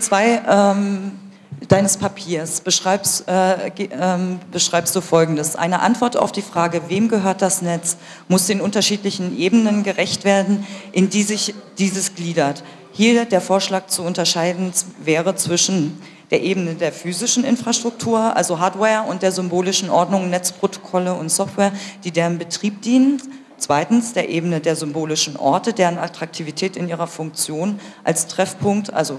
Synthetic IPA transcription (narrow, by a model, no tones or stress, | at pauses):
t͡sv̥aɪʔɛːm | d̥aɪnəspʰapʰiːɐsb̥əʃʁ̥aɪpsɛːɛmbəʃʁ̥aɪpstd̥uːfɔlɡŋ̩dəsʔa̰ɪnəʔa̰ntv̥ɔɐta̰ʊfd̥iːfʁ̥aːɡəveːmɡəɦøːɐt̚d̥asnɛt͡s | mʊsd̥eːnʊntɐʃiːtlɪçn̩ʔeːbənənɡəʁɛçtv̥eːɐdn̩ʔɪndiːzɪçd̥iːzəsɡ̥liːdɐt | hiːɐdeːɐfoːɐʃlaːk̚t͡suʊntɐʃaɪdn̩vɛːʁət͡sv̥ɪʃn̩ | d̥eːɐʔeːbənədeːɐfyːzɪʃn̩ʔɪ̰nfʁ̥aʃtʁ̥ʊk̚tʰuːɐʔa̰lzoɦaːdwɛːɐʊnt̚d̥eːɐzʏmboːlɪʃn̩ʔɔɐdnʊŋnɛt͡spʁ̥otʰo̥kʰɔləʊntsɔftwɛːɐd̥iːdeːʁənbətʁ̥iːp̚d̥iːnən | t͡sv̥aɪtn̩sd̥eːɐʔeːbənədeːɐzʏmboːlɪʃn̩ʔɔ̰ɐtədeːʁəna̰tʁ̥ak̚tʰiːvitʰɛːtɪniːʁ̞ɐfʊŋk̚t͡sjoːn | ʔalstʁ̥ɛfpʰʊŋk̚tʔa̰lzo